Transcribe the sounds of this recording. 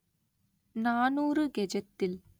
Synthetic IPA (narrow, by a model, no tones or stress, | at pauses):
naːnuːɾɯɡɛd͡ʒɐt̪ːɪl